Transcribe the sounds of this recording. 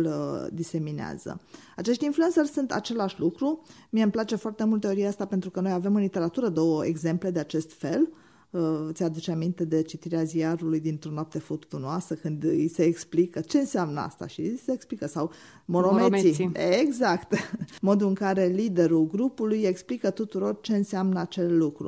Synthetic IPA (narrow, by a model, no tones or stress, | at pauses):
ld̪ise̞minea̰z̥ə̰at͡ʃe̞ʃt̪influensersunt̪a̰t͡ʃe̞laʃʲlukɾu | miemplat͡ʃe̞foart̪e̞mult̪eoɾijeast̪apent̪ɾukəno̞jave̞mɨnlit̪e̞ɾat̪uɾəd̪o̞wəeɡze̞mple̞d̪e̞at͡ʃe̞st̪fe̞l | t̪sʲad̪ut͡ʃeamint̪e̞d̪e̞t͡ʃit̪iɾeaziaɾulujd̪int̪ɾo̞noap̚t̪e̞fut̪t̪unoasəkɨnd̪ise̞ːksplikət͡ʃe̞ɨnseamnəa̰st̪a̰ʃiseːksplikəsaw | monomemieɡzakt̪mo̞d̪uɨŋkaɾe̞lid̪e̞ɾuɡɾupuluje̞ksplikət̪ut̪uɾo̞rt͡ʃe̞ɨnseamnəat͡ʃe̞lːukɾṵ